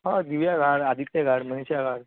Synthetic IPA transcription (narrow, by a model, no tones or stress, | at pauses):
ɦãd̪iʋjaɡʱaɽad̪ʱit̪jaɡʱaɽməneɕjaɡʱaɽ